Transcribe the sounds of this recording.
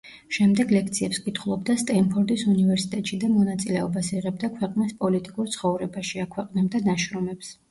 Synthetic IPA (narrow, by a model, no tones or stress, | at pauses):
ʃɛmd̪ɛɡlɛk̚ʰt̪sʰiɛpskʼit̪ʰχlˠɔbd̪ast̪ʼɛmpʰɔɾd̪isunivɛɾsit̪ʼɛt̪ʼʃid̪amɔnat̪sʼilɛɔbasiʁɛbd̪akʰwɛqʼnispʼɔlit̪ʼikʼuɾt̪sʰχɔvɾɛbaʃiakʰwɛqʼnɛbd̪anaʃɾɔmɛps